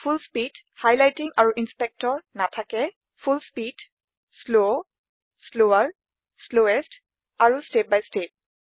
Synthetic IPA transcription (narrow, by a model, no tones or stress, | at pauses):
fʰulspid | hajlajtiŋaɹuʔinspɛk̚tɔɹnatʰakɛ | fʰulspid | slo | sloaɹ | sloɛst | aɹustep̚bajstep̚